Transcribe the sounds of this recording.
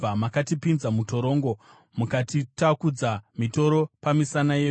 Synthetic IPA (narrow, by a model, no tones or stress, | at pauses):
amakatipinzamuto̞ɾo̞ːŋɡo̞ | mukatitakud͡zamito̞ɾo̞pamisanaje